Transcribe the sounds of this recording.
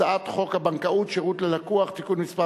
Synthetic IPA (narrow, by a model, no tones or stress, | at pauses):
aat̪χo̞khabaŋkaut̪ʃeʁut̪lelakuaχt̪ikunmispa